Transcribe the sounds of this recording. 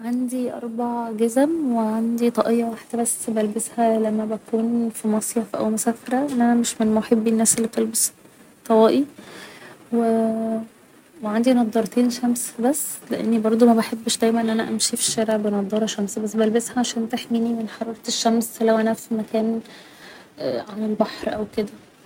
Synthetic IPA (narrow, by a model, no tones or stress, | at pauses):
ʕand̪iʔɑ̰ɾˤbaʕɡæzmweʕand̪it̪ˤɑʔejːæwaħed̪æbæsbælbeshælæmːæbækʰuːnfimɑsˤjefʔæ̰wmosæːfeɾæʔenʔænæmeʃmenmoħebːinːæːsʔelːit̪elbes | t̪ˤːɑwæːʔi | we | weʕand̪inɑd̪ˤːɑɾˤt̪iːnʃæmsbæsːleʔḛnːibɑɾˤd̪ˤumæbeħebːʃd̪æjmænʔnʔænæʔæmʃifi̥ʃːæːɾeʕbenɑd̪ˤːɑɾˤɑʃæmsbæsːbælbeshæʕaʃæːnt̪eħminimenħɑɾˤɑɾˤɑt̪eʃːæmslæwʔænæffimækæːn | ʔʕamelbɑħɾʔæwked̪æ